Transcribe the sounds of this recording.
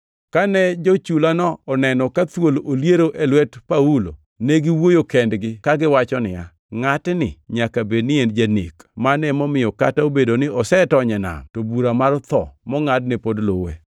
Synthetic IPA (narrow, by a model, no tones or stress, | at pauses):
kanɛd͡ʒot͡ʃulanɔɔnɛnɔkat̪wololjeɾoʔelwɛtpaulo̰ | neɡɪwojokɛndɡɪkaɡɪwat͡ʃɔnɪja̰ | ŋatnɪ̰ɲakabednɪend͡ʒanḛkmanɛmɔmɪjɔka̰taobedonɪɔsɛtɔɲɛna̰mtobuɾamart̪ɔ̰mɔŋadnɛpodlowḛ